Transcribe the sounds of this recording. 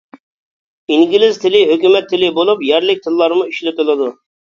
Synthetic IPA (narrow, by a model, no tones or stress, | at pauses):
iŋɡʲilɪzt̪ʰɪlɪɦøkʲymɛt̪ʰːɪlɪbolˠupjɛɾlɪk̚ʲt̪ʰɪlːˠɑɾmuiʃlɪt̪ɪlˠɨd̪u